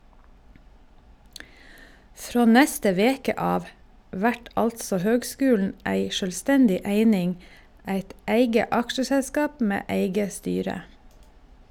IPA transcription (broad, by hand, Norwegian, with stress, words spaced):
ˈfɾoː ˈnɛstə ˈʋeːkə ˈɑːʋ ˈʋæʈ ˈʔɑltsɔ ˈhøːɡˌskʉːln̩ ˈæɪ ˈʃøːlˌstɛndɪ ˈæɪnɪŋ ˈæɪt ˈeɪɡə ˈɑkʃəʃɛlˌskɑːp ˈmeː ˈeɪɡə ˈstyːɾə